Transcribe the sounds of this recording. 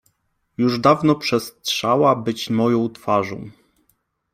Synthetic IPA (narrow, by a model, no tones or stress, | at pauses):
juʐd̪avnɔpʂɛst̪ʂawabɘt͡ɕmɔjɔ̃w̃t̪faʐɔ̰̃w̃